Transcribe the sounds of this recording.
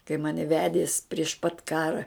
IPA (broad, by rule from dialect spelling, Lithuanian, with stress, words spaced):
kɐɪ ˈmɑːnʲɪ ˈʋʲæːdʲiɛs pʲrʲiɛʃ pɐt ˈkɑːrɐ